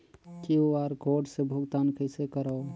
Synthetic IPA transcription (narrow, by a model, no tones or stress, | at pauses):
kioaɾɡoɖsebʱuɡt̪ankəɪsekəɾəo